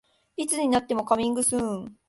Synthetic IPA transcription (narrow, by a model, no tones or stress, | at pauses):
it͡sɨɲ̟inat̪ːe̞mo̞kamʲĩŋɡɯ̟sɨ̃